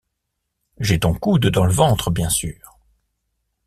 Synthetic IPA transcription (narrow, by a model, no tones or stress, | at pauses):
ʒɛt̪ɔ̃kud̪d̪ɑ̃ləvɑ̃t̪χəbjɛ̃syːʁ